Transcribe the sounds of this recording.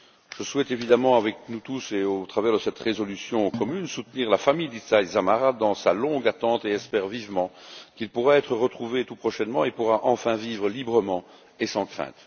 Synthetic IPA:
ʒ̥əswɛt̪evid̪amɑ̃avɛk̚nut̪useot̪χavɛʁd̪əsɛt̪ʁezɔlysjɔ̃kɔmynsut̪niːʁlafamijd̪isajzamaʁad̪ɑ̃salɔ̃ɡat̪ɑ̃t̪eɛspɛːʁvivmɑ̃kʲilpuʁaɛt̪χəʁət̪χuvet̪upχɔʃɛnmɑ̃epuʁaʔɑ̃fɛ̃viːvʁəlibʁəmɑ̃ | esɑ̃kχɛ̰̃ːt̪

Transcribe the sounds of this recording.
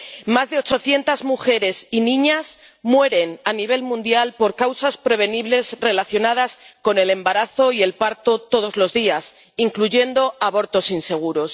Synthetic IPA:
mazðe̞o̞t͡ʃo̞θje̞nt̪azmuxe̞ɾe̞sinĩɲas | mwe̞ɾe̞naniβ̞e̞lmũnd̪jalpo̞ɾkawsaspɾe̞β̞e̞niβle̞zre̞laθjo̞nað̞asko̞ne̞le̞mbaɾaθo̞ie̞lpaɾt̪o̞t̪o̞ðo̞zlo̞zðias | iŋkluʝe̞nd̪o̞aβo̞ɾt̪o̞sinse̞ɣ̞uɾo̞s

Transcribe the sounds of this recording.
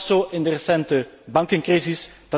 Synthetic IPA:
soːʔɪndərəsɛntə | bɑŋkəŋkrizisd̥ɑ

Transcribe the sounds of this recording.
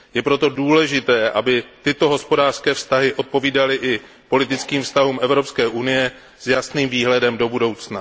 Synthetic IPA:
jɛpɾo̞t̪o̞duːlɛʒɪt̪ɛːʔabɪt̪ɪt̪o̞ɦo̞spo̞daːr̥skɛːfst̪aɦɪʔo̞t̪̚po̞viːdalɪʔɪ | po̞lɪt̪ɪt͡skiːmfst̪aɦuːmʔɛvɾo̞pskɛːʔunɪjɛ | z̥jasniːmviːɦlɛdɛmdo̞budo̞wt͡sna

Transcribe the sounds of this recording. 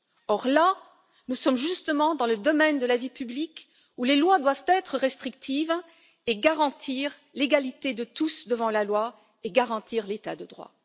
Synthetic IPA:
ɔʁla | nusɔmʒyst̪əmɑ̃d̪ɑ̃ləd̪ɔmɛnd̪əlavipyblik | ulelwad̪wavt̪ɛt̪χəʁɛst̪χik̚t̪ʰiv | eɡaʁɑ̃t̪ʰiʁ | leɡalit̪ed̪ət̪usd̪əvɑ̃lalwa | eɡaʁɑ̃t̪iʁlet̪a̰d̪əd̪ʁwa̰

